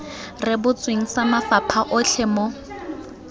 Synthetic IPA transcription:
rɪbʊt͡sʼweŋ̩samafapʰaʔʊɬʰɛmɔ

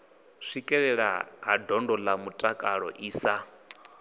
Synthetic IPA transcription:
ʂikʼɛɺɛɺa̰ɦa̰dʱɔndɔlamutʼakʼaɺɔ̰ʔiːsa

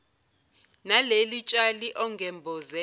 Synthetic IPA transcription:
nalelit͡ʃʼaliʔɔŋɡʱɛmbʱɔzɛ

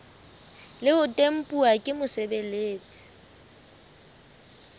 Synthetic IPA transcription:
lɪʊtʼem̩pʼuakʼɪmʊsebeleːt͡sʼi̥

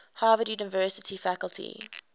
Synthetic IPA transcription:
haːvədjunavɜsətʰifækəltʰḭ

